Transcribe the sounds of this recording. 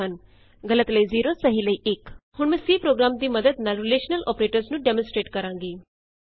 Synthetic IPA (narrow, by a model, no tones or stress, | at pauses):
ən | ɡɐlət̪ləiziːɾosəɦiləiʔekhʊɳmɛ̃ːsiːpɾoːɡɾaːmd̪iːməd̪əd̪naluleːʃnəlɔ̰ːpɾeːʈəɾznũɖemə̃nsʈɾeːʈkɐɾãːŋɡiː